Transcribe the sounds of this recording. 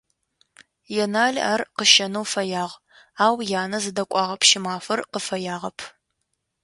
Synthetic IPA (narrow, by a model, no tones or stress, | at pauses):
jɛnaːɮaːrqəʃɐnɐwfɐjaːʁ | aːwjaːnɐzɨdɐkʷʼɑːʁɐpʰʃɪmaːfɐrqəfɐjaːʁɐpʰ